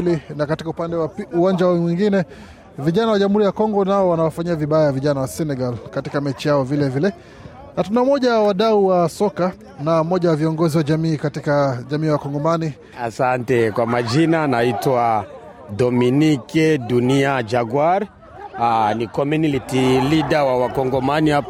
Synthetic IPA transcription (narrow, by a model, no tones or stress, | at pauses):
linakatikaupandɛwauwand͡ʒawmwiŋɡinɛ | viʄanawaʄam̩huɾijakɔŋɡɔnaɔwanawafaɲiaviɓajajaviʄanawasɛnɛɡalkatikamɛt͡ʃijaɔvilɛvilɛ | natunamɔʄaawaɗauwasɔka | namɔʄawaviɔŋɡɔziwaʄamiːkatikaʄamiːwakɔŋɡɔmani | asantɛkwamad͡ʒinanaitwa | dɔminikɛɗuniad͡ʒaɡwaɾ | anikɔmunilitiliɗawawakɔŋɡɔmanihap